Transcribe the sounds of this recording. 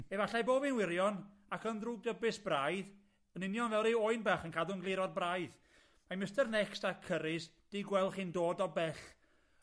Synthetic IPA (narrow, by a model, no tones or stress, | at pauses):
ɛvaɬajboːbinwɪɾjɔn | akənðruːɡ̚dɔbɪsb̥rajð | ənɪnjɔnvɛlˠɾeoɨnbaχənkʰadʊnɡlˠɪɾɔd̚brajð | majməstɛrnɛkstakʰəɾɪs | d̥iɡwɛlˠχiːndoːdɔbɛɬ